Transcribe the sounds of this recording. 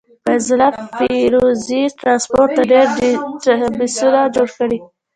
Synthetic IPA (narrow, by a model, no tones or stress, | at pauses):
pezlafiɾoziʈɾɑnspoɾʈ̚t̪aɖeɾ | bɪsulad͡ʒoɽkəɽi